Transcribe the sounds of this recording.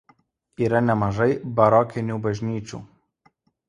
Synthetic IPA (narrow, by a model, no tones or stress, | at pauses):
iːɾɐnʲɛmɐʒɐɪbɐɾɔkʲɪnʲuːbɐʒʲnʲiːt͡ʃʲṵːˑ